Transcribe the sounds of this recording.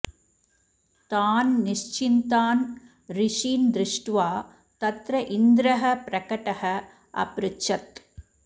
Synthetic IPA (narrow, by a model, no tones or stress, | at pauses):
t̪aːnnɪʂt͡ʃɪnt̪aːn | ɾɪʂiːnd̪ɾɪʂʈʋaː | t̪ɐt̪ɾɐʔɪnd̪ɾɐɦɐpɾɐkɐʈɐhɐ | ʔɐ̰pɾɪt͡ʃɐt̪